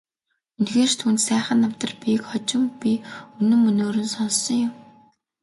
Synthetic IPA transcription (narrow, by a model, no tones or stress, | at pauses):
ɵnɡeːrt̪ʰuːnt̪sæːχə̆nːɔw̥t̪ə̆rpĭkχɔt͡ɕɪ̆mpʲiɵnɵ̆mːɵnoːɾɵ̆nsɔnsɞ̆ŋjʊm